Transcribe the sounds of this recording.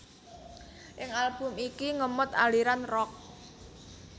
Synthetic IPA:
ʔɪŋalb̥ʊ̤mikiŋəmʊt̪a̰liɾanrɔk̚

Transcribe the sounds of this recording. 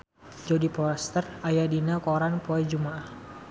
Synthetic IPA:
d͡ʒɔdipɔst̪ərajadinakɔɾanpɔɛd͡ʒumaah

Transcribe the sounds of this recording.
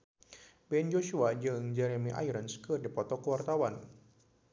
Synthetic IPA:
bɛnd͡ʒoʃuad͡ʒɨŋd͡ʒɛɾemiʔa̰iɾənskɨrdipɔt̪ɔkəwart̪awan

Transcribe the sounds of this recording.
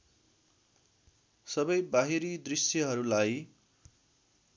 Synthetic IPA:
sʌbʌjbaɦiɾid̪risjʌɦʌɾulaj

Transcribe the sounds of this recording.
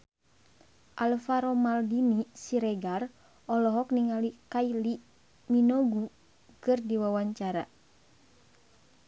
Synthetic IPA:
ʔalfaɾɔmaldinisiɾɛɡar | ɔlɔɦɔkniŋalikaili | minoɡu | kɨrdiwawaɲt͡ʃaɾa

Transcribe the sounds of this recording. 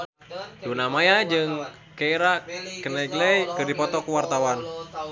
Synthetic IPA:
tunamajad͡ʒɨŋ | keiɾakənɛɡlɛjkɨrdipɔt̪ɔkuwart̪awan

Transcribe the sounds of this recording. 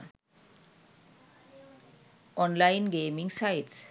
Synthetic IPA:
ɔnlajnɡeːmiŋsajts

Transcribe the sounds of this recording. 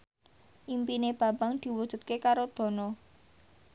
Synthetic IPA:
ʔimpineb̥ä̤mbaŋd̪̥i̤wud̥ʒ̥ṳt̪̚kekaɾod̪̥ɔ̤nɔ

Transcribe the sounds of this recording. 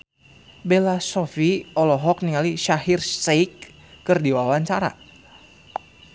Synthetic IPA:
belasɔfiɔlɔɦɔk̚niŋaliʃaɦirsekː | ɨrdiwawaɲt͡ʃaɾa̰

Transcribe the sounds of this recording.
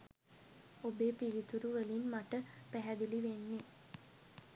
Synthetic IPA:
obeːpilit̪uɾuʋəlinmaʈəpæɦæd̪iliʋenːe

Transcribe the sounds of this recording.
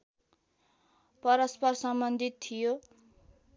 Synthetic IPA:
pʌɾʌspʌrsʌmbʌnd̪ʱit̪ʰːijo

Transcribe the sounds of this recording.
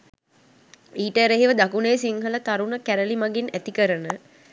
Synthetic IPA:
iːʈəɾəɦiʋəd̪akunejsiŋɦələt̪aɾunəkæɾəlimaɡinæt̪ikəɾənə

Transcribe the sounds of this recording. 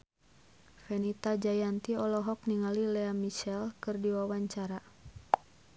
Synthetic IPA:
fɛnit̪ad͡ʒajant̪iɔlɔɦɔk̚niŋalilɛamit͡ʃɛlkɨrdiwawaɲt͡ʃaɾa

